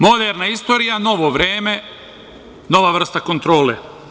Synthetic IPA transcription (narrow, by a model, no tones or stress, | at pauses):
mo̞d̪eɾnaist̪o̞ɾijano̞ʋoʋɾeːme̞ | no̞ʋaʋr̩st̪ako̞nt̪ɾo̞ːlḛ